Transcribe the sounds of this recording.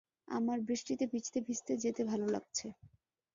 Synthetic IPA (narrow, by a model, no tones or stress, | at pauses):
a̰maɾbɾiʃʈit̪ebʱit͡ɕt̪ebʱist̪ed͡ʑet̪ebʱalola̰ɡ̚t͡ɕʰe